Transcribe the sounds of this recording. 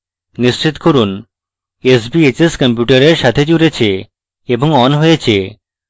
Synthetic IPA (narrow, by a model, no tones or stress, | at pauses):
niʃt͡ɕit̪koɾun | esbiet͡ɕeskɔmpjuʈaɾeɾʃat̪ʰed͡ʑuɾet͡ɕʰe | eboŋɔnɦoet͡ɕʰe